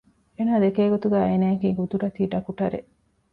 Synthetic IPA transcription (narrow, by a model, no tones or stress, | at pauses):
eːnaːd̪ekeːɡot̪uɡæːenaːɐkiːɡud̪uɾɐt̪iːɖɐkuʈɐɾḛʔ